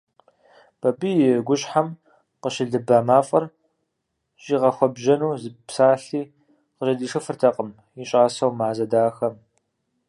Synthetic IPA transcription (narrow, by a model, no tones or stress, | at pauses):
b̥ɐbiːjɪɡʷʊɕʼħam | qəʃɪɮɨbaːmaːfʼɐr | ɕiːʁɐxʷɔbʒɐnuːzɨpsaːɬiː | qəɕɐdiːʂɐfɨrtʰɐqʼəm | jɪɕʼaːsɐwmaːzɐdaːxɐm